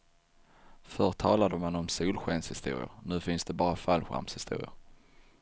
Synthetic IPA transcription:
fœʈʰːɑːlad̪əmanɔmsuːlɧɛnshɪst̪ṵːɾɪ̰ʊ̰ɾnʉ̟ːfɪnsd̪ɛbɑːɾafalːɧa̰ɾmshɪst̪ṵːɾɪ̰ʊɾ

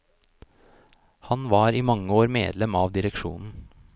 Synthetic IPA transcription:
hɑnʋɑːɾiːmɑŋːəoːɾmḛːd̪lɛmɑːʋd̪ɪɾɛkʃṵːnn̩

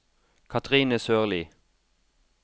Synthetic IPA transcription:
kʰɑt̪ʰʁiːnəsøːʁliː

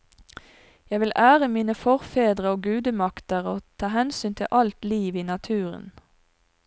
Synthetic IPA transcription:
jæɪʋɪlʔæːʁəmiːnəfɔʁfeːd̪ʁəoːɡʉːd̪əmɑkt̪əʁoːt̪ʰɑːhɛnsyːnt̪ʰɪ̰lʔɑlt̪liːʋiːnɑt̪ʰʉːʁə̰n

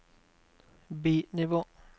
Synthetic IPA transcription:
biːnɪʋoː

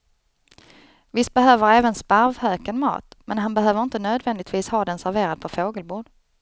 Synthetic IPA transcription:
vɪst̪̚bɛɦøːvəɾɛːvənspaɾvhøːkənmɑ̰ːt̪mɛnɦanbɛɦøːvəɾɪnt̪ənøːd̪vɛnd̪ɪɡ̚t̪viːshɑːd̪ɛnsæɾveːɾad̪̚pʰɔfoːɡəlbʊːɖ

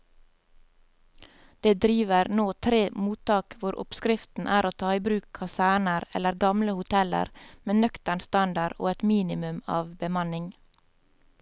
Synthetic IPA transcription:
d̪̥eːd̪ɾiːʋəɾnoːt̪ʰɾeːmuːt̪ʰɑːkʋʊɾʔɔ̰pskɾɪft̪n̩ʔæːɾoːt̪ʰɑːiːbɾʉːkʰɑsæːɳəɾɛ̰ləɾɡɑmləhʊt̪ʰɛlə̰ɾmeːnœkt̪əɳst̪ɑnd̪ɑɾo̰ːɛt̪miːnɪmʉmɑ̰ːʋbəmɑnɪŋ

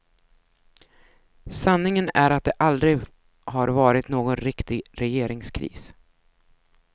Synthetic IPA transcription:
sanːɪŋənæɾat̪̚d̪ɛʔald̪ɾɪ | haɾvɑːɾɪt̪noːɡɔnɾɪkt̪ɪɡɾɛjeːɾɪŋskʰɾḭːs

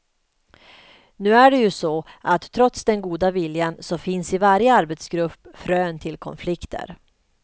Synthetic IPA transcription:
nʉ̟ːæɖɛjɵsɔʔat̪ʰːɾɔt̪sd̪ɛnɡuːd̪avɪljansɔfɪnsɪvaɾjəaɾbɛt̪sɡɾɵpːfɾøːnt̪ʰɪlkʰɔ̰nflɪkt̪ʰə̰ɾ

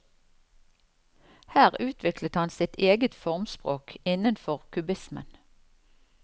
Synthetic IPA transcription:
hæːʁʉːt̪ʰʋɪklət̪hɑnsɪt̪ʰeːɡət̪fɔʁmspʁoːkɪnənfɔʁkʰʉbɪsmə̰n

